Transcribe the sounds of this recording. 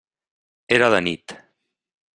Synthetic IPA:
eɾaðənit̪

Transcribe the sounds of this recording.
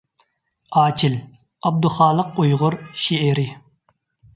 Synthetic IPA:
ɑːt͡ʃʰɪl | ɑb̚d̪ʊχɑːlˠəq̚ojʁʊɾʃeɛɾɪ

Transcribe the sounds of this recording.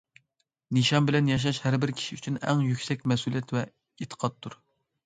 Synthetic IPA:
nɨʃɑmbɪlɛnjɑʃ̬ɑʃhæɾbɪɾkʲʰi̥ʃiyt͡ʃʰynɛ̰ŋjykʲsɛkʲmɛsulˠijɛt̪vɛ | et̪ʰə̥qʰɑt̪ʰːuɾ

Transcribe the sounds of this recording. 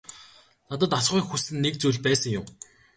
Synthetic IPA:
nat̪̬ə̆t̪aʃɢuːŋxusɘ̆nːek̚t͡sujɮpæːsə̆ŋjʊm

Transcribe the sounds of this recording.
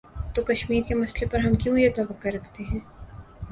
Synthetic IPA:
t̪okɐʃmiːɾkemɐslepɐɾɦɐmkjõjet̪ɔːbakɐɾːɐkʰt̪eɦɛ̃ː

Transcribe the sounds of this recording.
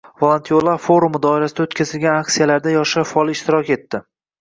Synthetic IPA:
volˠont̪ʰio̞lˠafo̞ɾumd̪ɒɪɾasɪd̪ot̪kʲʰazɪlɡʲanakʲsijalaɾd̪ajɒʃaʃfɒlˠɪʃt̪ɪɾɒkʲe̞t̪ːɪ

